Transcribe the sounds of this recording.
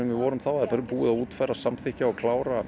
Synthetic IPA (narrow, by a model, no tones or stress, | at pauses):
ʏmvɪvɔːɾʏmθawaðɾpɛɾʏpuːɪðaðuːt̪fajɾasamθɪhcaɔkʰlaːwɾa